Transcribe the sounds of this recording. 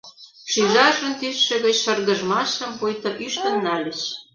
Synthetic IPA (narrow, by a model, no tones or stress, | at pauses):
ʃyʒɑʒə̆nt̪ysʃɘ̆ɣə̆t͡ɕʃɤ̆rɣə̆ʒmɑʃə̆mpujt̪ŏʔyʃt̪ə̆nːɑlʲə̆t͡ɕ